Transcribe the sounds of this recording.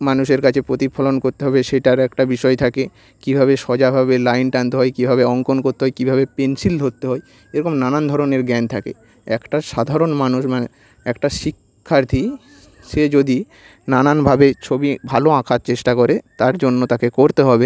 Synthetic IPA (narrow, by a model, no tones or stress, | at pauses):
manuʃeɾkat͡ɕʰepɾot̪ipʰɔlonkoɾt̪eɦɔbeʃeʈaɾɛkʈabiʃɔet̪ʰake | kibʱaβeʃɔd͡ʑabʱabelajnʈant̪eɦɔekibʱaβeɔŋkonkoɾt̪eɦɔekibʱabepensild̪ʱoɾt̪ːeɦɔe | eɾɔkomnanand̪ʱɔɾoneɾɡɛnt̪ʰakḛ | ɛkʈaʃad̪ʱaɾonmanuʃmane | ɛkʈaʃikʰːaɾt̪ʰi | ʃed͡ʑod̪i | nananbʱabet͡ɕʰobibʱaloãkʰaɾt͡ɕeʃʈakoɾet̪aɾd͡ʑonːot̪akekoɾt̪eɦɔbe